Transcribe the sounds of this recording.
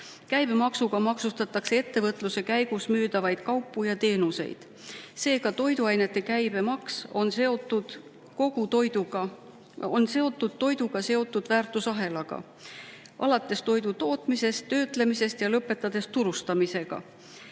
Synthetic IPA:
kæjb̥e̞mɑksuɡ̥ɑmɑksust̪ɑt̪ːˑɑkse̞e̞t̪ːe̞vɤt̪ːˑluse̞kæjɡ̥usmyːd̪̥ɑvɑjd̪̥kɑwpˑːujɑt̪e̞ːnuse̞̰jd̪̥ | se̞ːkɑt̪o̞jd̪uɑjne̞t̪ːe̞kæjbe̞mɑkso̞nseot̪ːud̪̥ | ko̞ɡ̥ut̪ojd̪uɑ | onse̞o̞t̪ːˑud̪̥̚t̪ːo̞jd̪uɡ̥ɑse̞o̞t̪ːˑud̪̥væːrt̪ːˑusɑɦe̞lɑɡ̥ɑ̰ | ʔɑ̰lɑt̪ːˑe̞st̪o̞jd̪ut̪o̞ːt̪mise̞st̪ːøːt̪le̞mise̞st̪jɑlɤpːˑe̞t̪ːˑɑd̪̥e̞st̪uɾust̪ɑmise̞ɡ̥ɑ̰

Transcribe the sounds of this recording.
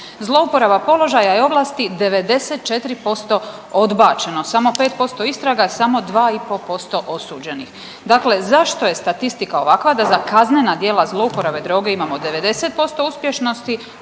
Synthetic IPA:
zlˠo̞upo̞ɾabapo̞lo̞ʒajajeo̞ʋlˠaːst̪id̪e̞ʋe̞d̪e̞set̪̚t͡ʃe̞t̪ɾipo̞st̪o̞ | od̪baːt͡ʃe̞nosamo̞pe̞ːt̪̚po̞st̪o̞ist̪ɾaɡasamo̞d̪ʋaːipo̞po̞st̪o̞ʔo̞suːd͡ʑe̞nix | d̪akle̞zaʃt̪o̞je̞st̪at̪ist̪ikao̞ʋakʋad̪azakazne̞nad̪je̞ːlazlˠo̞upo̞ɾabe̞d̪ɾo̞ːɡe̞imamo̞d̪e̞ʋe̞d̪e̞set̪̚po̞st̪o̞uspje̞ʃno̞st̪i

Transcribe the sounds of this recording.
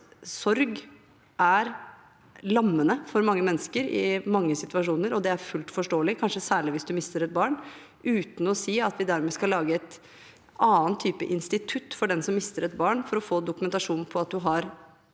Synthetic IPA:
sɔɾɡ | ʔæɾ | lɑmːənəfɔɾmɑŋːəmɛnːəskəɾɪ̰mɑŋːəsɪt̪ʉʋɑʂuːnəɾɔd̪ɛæɾfʉlt̪fɔʂʈoːlɪkʰɑnʂəsæːɭɪʋɪsd̪ʉmɪst̪əɾɛt̪̚bɑːɳ | ʔʉːt̪n̩ɔsiːɑt̪ʋɪd̪æɾmɛːskɑlɑːɡəɛt̪ | ɑːnt̪ʰːyːpə̰ʔɪnst̪ɪt̪ʰʉt̪ːfɔɖɛnsɔmːɪst̪əɾɛt̪̚bɑːɳfɔɾɔfoːd̪ʊkʉmɛnt̪ɑʂuːn̩pʰɔɑt̪̚d̪ʉɦɑɾ

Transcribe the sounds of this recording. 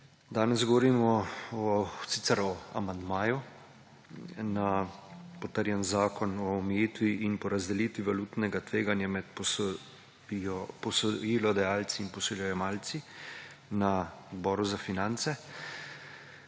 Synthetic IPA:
d̪aːnɛzɡɔʋɔɾiːmɔɔsit̪sɛɾɔa̰mand̪maːju | napɔt̪əɾjɛnzaːkɔnɔːmɛjit̪ʋiʔinpɔɾazd̪ɛliːt̪ʋiʋaluːt̪nɛɡat̪ʋeːɡanjamɛt̪pɔs | ɔpɔsɔjiːlɔd̪ajaːlt̪siinpɔsɔljɛjɛmaːlt̪si | naɔd̪bɔːɾuzafinant̪sɛ

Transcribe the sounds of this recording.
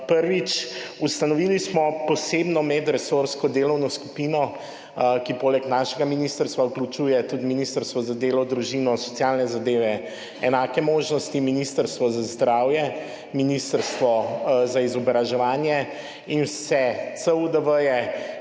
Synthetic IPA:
pəɾʋit͡ʃust̪anɔʋilismɔpɔsebnɔmɛd̪ɾɛsoɾskɔd̪eːlɔwnɔsku̥pinɔ | kipoːlɛknaːʃɛɡaminist̪əɾst̪ʋauklut͡ʃuːjɛt̪ud̪minist̪əɾst̪ʋɔzad̪eːlɔd̪ɾuʒinɔsɔ̥t̪sjaːlnɛzad̪eːʋɛ | ɛnaːkɛmoːʒnɔst̪iminist̪əɾst̪ʋɔzazd̪ɾawjɛ | minist̪əɾst̪ʋɔzaizɔbɾaʒɛʋaːnjɛ | insɛt̪səud̪əʋəjɛ

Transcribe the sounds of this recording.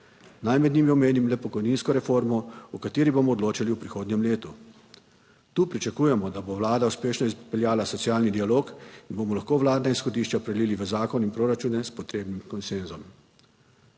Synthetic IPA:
najmɛd̪niːmiɔmeːnimlɛpɔkɔjniːnskɔɾɛfoːɾmɔukat̪eːɾibomɔːd̪loːt͡ʃaliwpɾixoːd̪nɲɛmleːt̪u | t̪uːpɾit͡ʃakuːjɛmɔd̪aboʋlaːd̪auspeːʃnɔizpɛljaːlasɔt̪siaːlnid̪ialoːkinbomɔlaxkoːʋlaːd̪nainsxɔd̪iːʃt͡ʃapɾɛd̪liːliʋəzaːkɔninpɾoːɾat͡ʃuːnɛspɔt̪ɾeːbnimkɔnsenzɔm

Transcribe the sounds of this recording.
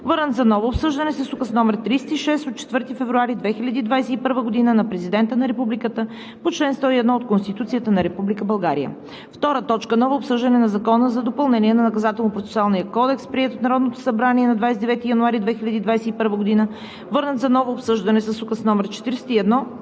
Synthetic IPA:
vɤɾnət̪zɐnɔvoːpsɤʒd̪ɐnɛsəsukəsnɔmɛɾt̪ɾisɛt̪iʃɛst̪ot̪̚t͡ʃɛ̥t̪vɤɾt̪ifɛvɾuaɾid̪vɛxilʲɐd̪iːd̪vajsɛipɤɾvəɡod̪inənɐpɾɛzid̪ɛnt̪ənɐɾɛpublikət̪ə | pot͡ʃlɛnst̪ɔiɛd̪nɔot̪̚konst̪it̪ut̪sijət̪ənɐɾɛpublikəbɐlˠɡaɾḭjə̰ | ft̪ɔɾət̪ɔt͡ʃkənɔvəopsɤʒd̪ɐnɛnɐzɐkɔnəzɐd̪opɐlˠnɛniɛnɐnɐkɐzat̪ɛlˠnopɾot̪sɛ̥sualˠnijəkɔd̪ɛkspɾiɛt̪ot̪nɐɾɔd̪not̪o̥sɐbɾaniɛnɐd̪vajsɛd̪ɛvɛt̪ijɐnuaɾid̪vɛxilʲɐd̪iːd̪vajsɛipɤɾvəɡod̪inə | vɤɾnət̪zɐnɔvoːpsɤʒd̪ɐnɛsəsukəsnɔmɛɾt͡ʃɛ̥t̪iɾsɛ̥t̪iɛd̪nɔ

